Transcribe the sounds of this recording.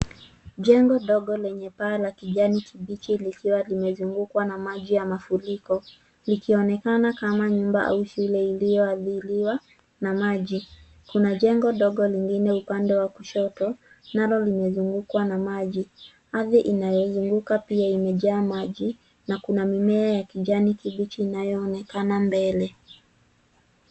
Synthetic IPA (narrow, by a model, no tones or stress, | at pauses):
ʄɛŋɡɔɗɔɠɔlɛɲɛpaːlakiʄanikʰiɓit͡ʃilikiwalimɛzuŋɡukwanamaʄijamafulikɔ | likiɔnɛkanakamaɲumbaʔa̰uʃulɛilijɔaðiliwa | namaʄi | kunaʄɛŋɡɔɗɔɠɔliŋɡinɛupandɛwakuʃɔtɔ | nalɔlimɛzuŋɡukwanamaʄi | haðiʔinajɔzuŋɡukapiaimɛʄaːmaʄi | nakunamimɛajakiʄanikiɓit͡ʃiːnajɔːnɛkanambɛlɛ